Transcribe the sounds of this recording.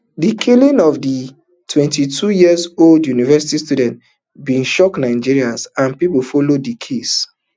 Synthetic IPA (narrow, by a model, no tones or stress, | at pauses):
dikʰilĩnɔvdi | tʰwɛ̃ntitʰujiəzoldjunivɛsitistjudɛ̃nt | bĩnʃɔknãɪ̃d͡ʒiɹiãnsãnpipfɔlodikʰes